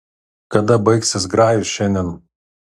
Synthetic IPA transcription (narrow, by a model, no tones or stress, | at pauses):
kɐd̪ɐbɐɪksʲɪsɡɾɑːjusʃʲɛnʲd̪ʲɛn